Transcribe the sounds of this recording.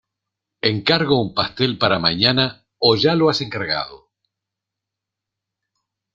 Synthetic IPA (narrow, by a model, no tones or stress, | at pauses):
eŋkaɾɣoumpast̪elpaɾamaɲana | oʒaloase̞ŋkaɾɣa̰ðo̰